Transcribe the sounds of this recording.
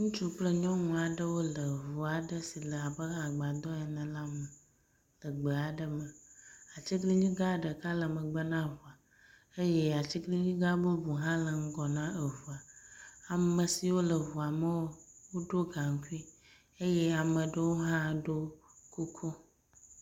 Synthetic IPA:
ŋũ˦t͡ʃu˦k͡plə˦ɲɔ̃˦nũ˨a˨ɖə˦wo˦lə˨vu˨a˨ɖə˦si˨lə˨a˨bə˦ɦa˨ɡ͡ba˨d̪ɔ̃˦ɛ˨nə̃˨la˦mə˨ | lə˨ɡ͡bə˨a˨ɖə˨mə˨a˨t͡ɕi˦ɡli˦ɲĩ˦ɡa˦ɖə˨ka˦lə˨mə̃˨ɡ͡bə˦nã˦vu˨a˨ | e˦je˦a˨t͡ɕi˦ɡli˦ɲĩ˦ɡa˦bə˦bu˨ɦã˦lə˨ŋ̩˦ɡɔ˨nã˦ə˨vu˨a˨a˨mə˨si˨wo˦lə˨vu˨a˨mə˦wo˦wo˦ɖo˦ɡã˨ŋ˦ku˦i˦ | e˦jɛ˦a˨mə̃˨ɖə˦wo˦ɦã˦ɖo˦ku˦kʰo˦

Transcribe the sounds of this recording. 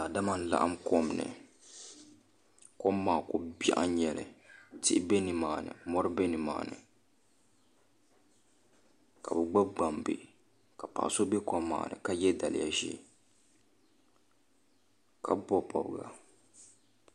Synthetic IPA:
la˨da˦ma˦n̩˦la̰˦ʔa˦mkɔ˦mnɨ̰˨ | kɔ˦mːaː˨kʊ˦ba̰˦ʔa˦ɲɛ˨lɨ̰˨tɪ˦be˦nɨ˨maː˨nɨ̰˨mɔ˦ɾɨ˦be˦nɨ˨ma̰ː˨nɨ̰˨ | ka˨bɛ˨ɡ͡ba˦b̚ɡ͡ba˨mbe˨ | ka˨pa̰˨ʔa˨so˦be˦kɔ˦mːa̰ː˨nɨ̰˨ka˦jɛ˦da˨lɪ̰˨ja̰˨ʒɛ̰˦ | ka˦bɔ˦pɔ̰˨bɡa̰˨

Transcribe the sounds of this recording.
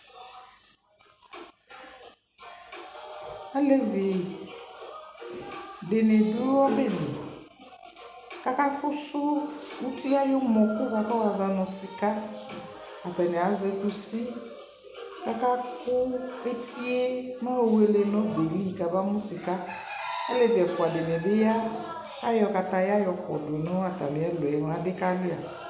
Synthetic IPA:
a˦le˦ve˨ | be˨ne˨du˦a˦be˦˨ne˨ | ka˦ka˦fʊ˦sʊ˦u˦tʰi˦a˦jʊ˦mɔ̃˨kʊ˦ka˦ka˦wa˨zã˨˧nɔ̃˨sɪ˨ka˦ | a˨tɛ˨nɛ˨a˨zɛ˦ku˦si˦ | ka˦ka˦kʊ˦e˦tʰi˦e˦nã˦o˨we˦le˦nɔ̃˦be˨li˦˨ka˨ba˦mũ˦si˨ka˦ | a˦le˨tɛ˨fʊ˨a˨de˨nɛ˨bɪ˦ja˦ | a˦jɔ˧ka˨ta˧ja˦jɔ˨kɔ̰˨dʊ˨nɔ̃˦a˨t̪a̰˨mɪ̃˨˦a˦lo˨ɛ˨n˨˦a˨dɪ˦ka˦lʊ˦a˨

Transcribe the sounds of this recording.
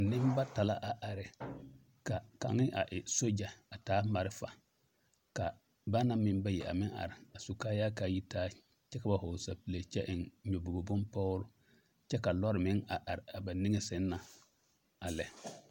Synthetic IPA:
nɪ˦m˦ba˦ta˨la̰˦ʔa˨ʔa˨ɾɪ˨ | ka˨ka̰˨ŋɪ˦ʔa˨ʔɪ˨so˦d͡ʒa˨a˨taː˦ma˨ɾɪ˦fa̰˨ | ka˨ | ba˦na˦mɪ˦mba˦jɛ˨ʔa̰˨mɪ˦ŋʔa̰˨ɾɪ˨a˨su˨kaː˦jaː˦ka˨˦˨ji˦taː˦ | t͡ʃɛ˦ka˨ba˨hʊ˨sa̰˨pi˨le˨t͡ʃɛ̰˦ʔɪ˨nɲo˨bo˨ɡo˨bʊ˦npɔ˦ɾʊ˦ | t͡ʃɛ˦ka˨lɔ˦ɾɪ˨mɪ˦ŋa˨ʔa˨ɾɪ˨a˨ba˨ni˦ŋɛ˦sɪ˦nː˦a˨ | a˨lɛ˨

